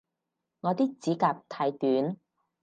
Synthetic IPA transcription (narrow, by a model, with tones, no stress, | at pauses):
ŋɔː˨˧t̪iː˥k̚t͡siː˨˥kaː˧p̚t̪ʰaː˨˧jt̪yː˨˥n